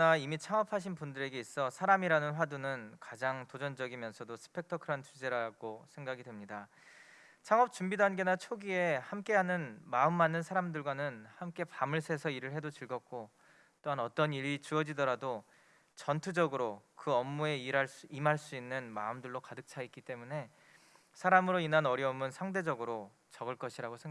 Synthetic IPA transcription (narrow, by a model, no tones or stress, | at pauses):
kʌnaimit͡ɕʰaŋʌpʰaɕ̬ʰinpundɯɾe̞ɡe̞is͈ʌsʰaɾamiɾanɯnɸwadunɯnkad͡ʑaŋtod͡ʑʌnd͡ʑʌɡimjʌnsʰʌdosʰɯ̥pʰe̞k̚tʰʌkʰɯɾʌnt͡ɕud͡ʑe̞ɾaɡosʰe̞ŋɡaɡidwe̞mɲida | t͡ɕʰaŋʌp̚t͡ɕumbidwanɡe̞nat͡ɕʰoɡie̞hamk͈e̞ɦanɯnmaɯmːanːɯnsʰaɾamdɯɭɡwanɯnhamk͈e̞pamɯɭsʰe̞sʰʌiɾɯɭhe̞dot͡ɕɯɭɡʌt̚k͈o | t͈oɦanʌt͈ʌniɾit͡ɕuʌd͡ʑidʌɾado | t͡ɕʌntʰud͡ʑʌɡɯɾokɯʌmːue̞iɾsimɦaɭs͈uinːɯnma̰ɯmdɯɭːokadɯk̚t͡ɕʰaik͈it͈e̞mune̞ | sʰaɾamɯɾoinanʌɾiʌmɯnsʰaŋde̞d͡ʑʌɡɯɾo | t͡ɕʌɡɯɭk͈ʌɕʰiɾaɡosʰeŋ